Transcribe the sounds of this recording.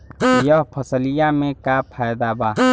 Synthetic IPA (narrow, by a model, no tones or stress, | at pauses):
jəɦpʰəsəlɪjamẽkapʰaːjd̪abaː